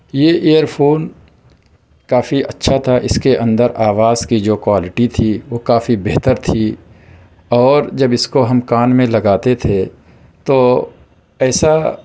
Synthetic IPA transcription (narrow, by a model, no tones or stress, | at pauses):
jeʔejəɾpʰoːn | kaːfiʔɐtːʃʰat̪ʰaʔɪskeʔɐ̃nd̪əɾʔaːʋaːz̥kid͡ʒoːkwaːlɪʈit̪ʰiʋokaːfibeɦt̪əɾt̪ʰi | ɔːɾd͡ʒɐbɪskoɦɐmkaːnmẽlɐɡaːt̪et̪ʰe | t̪oː | ɛːsa